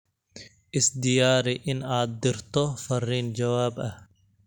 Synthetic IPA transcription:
ʔɪsd̪ɪjaːɾɪʔɪnaːt̪̚d̪ɪɾt̪ʰɔfɐrːiːnd͡ʒɐwaːbʔɐh

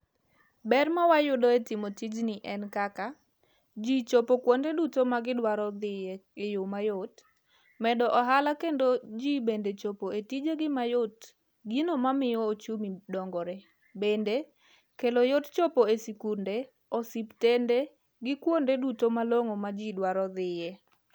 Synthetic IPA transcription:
bɛrmawajʊdɔetɪmotid͡ʒnɪʔɛnkaka | d͡ʒit͡ʃopokwondedutomaɡɪdwaɾɔd̪ɪjɛkejomajot | mɛdɔʔɔɦalakendod͡ʒibendet͡ʃopoetid͡ʒeɡɪmajot | ɡinomamɪjɔot͡ʃumidɔŋɡɔɾe | bende | kelojott͡ʃopoesikunde | ɔsiptende | ɡɪkwondedutomaloŋomad͡ʒidwaɾɔd̪ɪjɛ

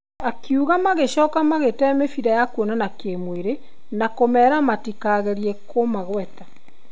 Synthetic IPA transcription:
akiuɣamaɣeʃɔːkamaɣetɛmefiɾajakwonanakemweɾe | nakomɛɾamatikaɣɛɾiɛkʰomaɣwɛta

